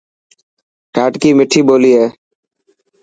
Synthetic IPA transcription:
kaːʈkiːmɪʈʰiːɓoːliːɦeː

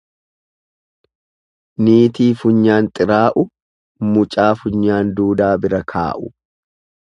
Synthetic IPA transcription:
niːt̪iːfʊɲːaːnt̪ʼɪɾaːʔʊ | mʊt͡ʃʼaːfʊɲːaːnd̪uːd̪aːbɪɾɐkʰa̰ːʔʊ

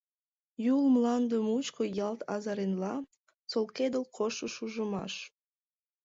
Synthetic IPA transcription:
julmlɑnd̪əmut͡ɕkojɑlt̪ɑ̰zɑɾenlɑ | t͡solked̪əlkʰoʃəʃuʒəmɑ̰ʃ

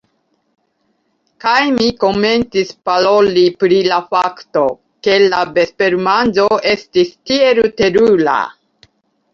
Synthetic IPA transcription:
kajmiko̞me̞nt͡sispaɾo̞lipɾilafakto̞ | ke̞labe̞spe̞ɾmanzo̞e̞stistie̞ɾute̞ɾula̰

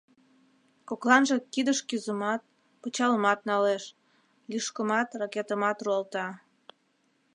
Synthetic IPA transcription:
koklɑnʒekid̪əʃkyzəmɑt̪̚ | pət͡ɕɑləmɑt̪̚nɑleʃ | liʃkəmɑt̪rɑket̪əmɑt̪ruɑlt̪ɑ

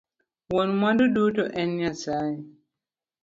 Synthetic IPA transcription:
wɔnmãdudutuʔɛniasa

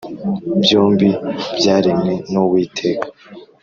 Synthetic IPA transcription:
bjoːmbibjaːɾimŋe̞nowiːtʰe̞ːkḁ

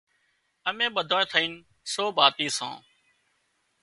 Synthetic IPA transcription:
əmẽːɓəd̪ʱoːẽːt̪ʰəiːn | soːbaːt̪iːsã̰ː

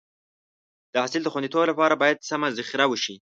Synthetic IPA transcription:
d̪̥əasɪld̪əxwand̪it̪oblapɑɾabɑjad̪̚samazɪxɾawəʃi

